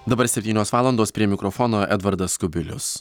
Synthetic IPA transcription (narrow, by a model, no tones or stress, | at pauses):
d̪ɐbɐɾsʲɛpʲt̪ʲiːnʲoːsʋɑːlˠɐnd̪oːspʲɾʲiɛmʲɪkɾɔfɔnoːʔɛ̰d̪ʋɐɾd̪ɐskʊbʲɪlʲʊ̰s